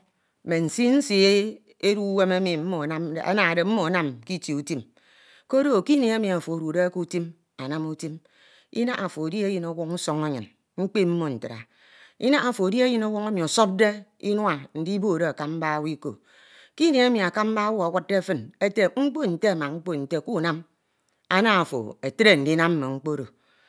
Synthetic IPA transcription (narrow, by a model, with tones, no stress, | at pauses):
me˨n̩˨si˦n̩˦si˦e˦ | e˦ɾu˦we˦me˦mi˨m̩˦mo˨a˦a̰˦na˨a˨de˨m̩˦mo˨a˨na˦mki˦ti˨u˨ti˦m | ko˦do˦˨ki˦ne˨e˦mi˨a˨fo˨o˨ɾu˨de˦ku˦ti˦m | a˨na˦mu˦ti˦m | ḭ˦na˦ʔa˨fo˨di˦e˦jɨ˨no˦wɔ˦kn̩˦sɔ˦ŋa˦ɲɨ˨n | ŋ͡m̩˦k͡pe˦m̩˦mo˨n̩˨tɨ˨a̰˨ | ḭ˦na˦a˨fo˨di˦e˦jɨ˦no˦wɔ˦ŋe˦mi˨o˨so˦p̚de˦ḭ˦n˦a˨n̩˨di˦bo˦˨ɾe˦a˨ka˦m̩˦ba˦wi˦ko˨ | ki˦ne˨e˦mi˨a˨ka˦m̩˦ba˦wu˦a˨wa˦t̚de˦fɨ˦ne˦te˨ŋ͡m̩˦k͡po˦n̩˨te˦a˨ma˨ŋ͡m̩˦k͡po˦n̩˨te˦˨ku˦˨na˦m | a˦na˦a˨fo̰˨e˨tɾe˦˨n̩˨di˦na˦m˦me˨ŋ͡m̩˦k͡po˦ɾo̰˨